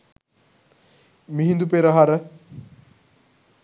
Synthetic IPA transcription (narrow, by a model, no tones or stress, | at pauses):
miɦind̪upeɾəɦaɾə